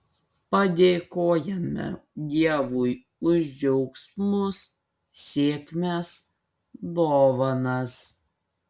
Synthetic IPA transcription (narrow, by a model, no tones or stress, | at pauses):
pɐd̪ʲeːkoːjɛmʲɛ̰d̪ʲiɛʋuj | ʊʒʲd͡ʒʲɛʊksmʊs | sʲeːkʲmʲes | d̪oːʋɐnɐs